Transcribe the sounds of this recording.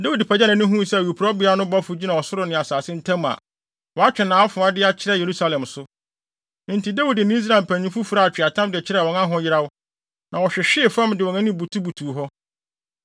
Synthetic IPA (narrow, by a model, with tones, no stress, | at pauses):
da˦wu˨dpʰæ˨d͡ʑɛ˦nɪ̃˨nʊ̃˦ɦũ˦˨sɛ˦˨wu˨pʰu˨ɾɔ˦bɪ˨˦a˦nʊ̃˦bɔ˦fʊ˨d͡ʑi˦nã˨wɔ˨sʊ˦ɾʊ˨nɪ̃˨a˨saː˨sɪ̃˦n̩˦tʰã˦ma̰˨ | wɔ˨a˦t͡ɕᶣɛ˨nãː˨˦a˦fʊ̃˨a˦dɪ˦a˦t͡ɕʰɪ˦ɾɛ˦˨je˨ɾu˦sa˦lɛ̃˨msʊ˦ | n̩˨tʰi˨da˦wu˨dnɪ̃˦s̬ɾaː˨m˨pʰæ̃˨ɲĩ˦fu˦fu˨ɾa˦˨a˨t͡ɕᶣɪ˨a˨tʰã˦mdɪ˨ɛ˨t͡ɕʰɪ˦ɾɛ˦˨wɔ̃˨ŋã˦ɦʊ̃˦jɪ˦ɾa˦wʊ˦ | nã˨wɔ˨ɕᶣɛ˨ɕᶣɪ˦˨fã˦mdɪ˨wɔ˨nã˦nɪ̃˦bu˨tʰu˦bu˨tʰuː˨ɦɔ˦